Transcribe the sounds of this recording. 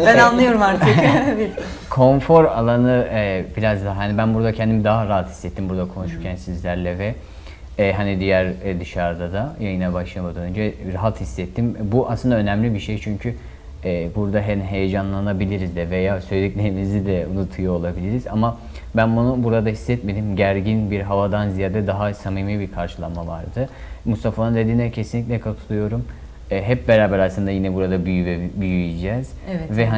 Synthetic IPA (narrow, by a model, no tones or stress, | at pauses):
bænanlˠɯjo̞ɾumaɾt̪ɯk̪bikʰo̞ɱfo̞ɾalˠanɯɛbiɾazd̪aɦanibænbuɾd̪acʰɛnd̪imid̪aɦaɾaɦat̪hisːɛt̪ʰːimbuɾd̪akʰo̞nuʃuɾcʰænsizlʲæɾlʲɛvɛ | ɦanid̪ijæɾɛd̪ɯʃaɾd̪ad̪ajajɯnabaʃlˠamad̪ønynd͡ʒɛɾaɦat̪hisːɛt̪ʰːimbuʔa̰slɯnd̪aø̞næmlʲibiʃejt͡ʃʰyɲcʰy | ɛːbuɾd̪aɦɛɦe̞jed͡ʒanlˠanabilʲiɾizd̪ɛvejaːsø̞jlʲecʲlʲe̞ɾimizid̪ɛunut̪ʰɯujoolˠabilʲiɾiza̰ma | bænbunubuɾad̪aɦisːɛt̪me̞d̪imɟæɾɟinbiɾɦavad̪anzijaːɾd̪ɛd̪aɦasamijmɯjbiɾkʰaɾʃɯlˠanmːavaɾd̪ɯ | must̪ʰafanˠɯnd̪ed̪iːnɛcʰesinlʲiclʲɛkʰat̪ʰu̥t̪ˠujo̞ɾumː | ɦɛp̚be̞ɾaːbæɾasˠɯnd̪ajinɛbuɾad̪abyjybɛbyjyid͡ʒɛːz̥vɛɦa